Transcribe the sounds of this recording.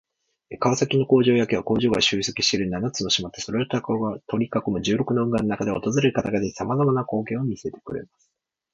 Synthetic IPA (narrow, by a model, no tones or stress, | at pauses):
kaβasakʲino̞ko̞ːʑo̞ːjake̞βako̞ːʑo̞ːɡaɕɨːisekʲi̟ɕt̪eɾɯ̟ɲinanat͡sɨno̞ɕimat̪ːe̞so̞ɾe̞ot̪akoɡat̪o̞ɾʲikakomɯ̟ʑɨːɾo̞kɯnoɯ̟̃ŋɡanonakad̪e̞aot̪o̞zɨɾe̞ɾɯ̟kat̪aɡad̪ei̥samazamanako̞ːkẽ̞ɰ̃omʲise̞t̪ekɯ̟ɾe̞̰masɨ̥